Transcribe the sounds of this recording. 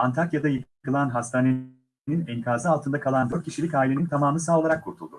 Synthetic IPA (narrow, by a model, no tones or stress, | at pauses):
ant̪ʰaɾkjad̪ajɯkkɯlˠanɦast̪ʰaːne | ninɛŋkʰaːzɯalˠt̪ʰɯnd̪akʰalˠand̪øt̪̚cʰiʃilʲicaːilʲeint̪ʰamaːmɯsaːolˠaɾakʰːuɾt̪ʰulˠd̪ṵ